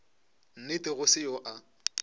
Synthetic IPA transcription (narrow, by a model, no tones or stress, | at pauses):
n̩nɪtɪɣʊsɪjoʔa